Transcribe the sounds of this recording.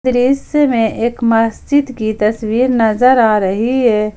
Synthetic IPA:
ɾiːssemẽʔeːkmɐst͡ʃɪd̪kit̪ɐswiːɾnɐzəɾaːɾəɦiɦɛː

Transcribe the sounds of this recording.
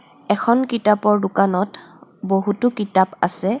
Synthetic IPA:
ɛkʰɔnkitapɔɹdʊkanɔtboɦutʊkitapasɛ

